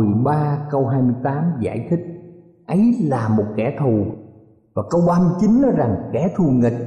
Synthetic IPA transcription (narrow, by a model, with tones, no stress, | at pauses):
ɨ˨˩ɓaː˧kə˧wɦaː˧jmɨ˧əjt̪aː˨˦mza̰ː˧˩jt̪ʰï˦˥k̟̚ | ʔə˨˦jlaː˨˩mo˨˩t̚kɛ̰˧˩t̪ʰu˨˩ | vaː˨˩kə˧wɓaː˧˦mɨ˧t͡ɕi˨˦nnɔ˨˦jza˨˩ŋkɛ˧˩t̪ʰu˨˩ŋi˨˩k̟̚